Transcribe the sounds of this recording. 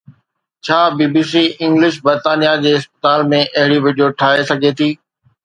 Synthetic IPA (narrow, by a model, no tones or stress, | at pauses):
t͡ɕʰaːbiːbiːsiːɪ̃ŋɡlɪʃ̬bɐɾt̪aːnijad͡ʑeːɪspə̥t̪aːlmẽʔɐɦɪɽiʋɪɖijoʈʰaːesɐɡʱet̪ʰiː